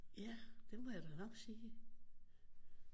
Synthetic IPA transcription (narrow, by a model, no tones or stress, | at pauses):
jæd̥e̝mojæd̥ænɒɡ̥siː